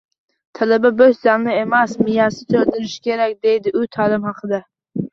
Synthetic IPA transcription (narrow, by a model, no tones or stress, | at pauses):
t̪ʰalababɵj̪zamnɪemasmɪjɑsɪt̪ʰɵld̪ɪɾɪʃkʲʰe̞ɾak̚ʲd̪e̞jd̪ɪʔʊt̪ʰaːlˠɪmhɑqʰɨd̪a